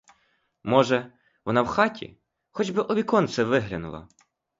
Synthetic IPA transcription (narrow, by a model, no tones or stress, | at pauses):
mɔʒɛ | ʋɔnɑwxɑtʲḭ | xɔd͡ʒbɪʔɔʋʲikɔnt̪sɛʋɪɦlʲɐnʊ̰lˠɐ̰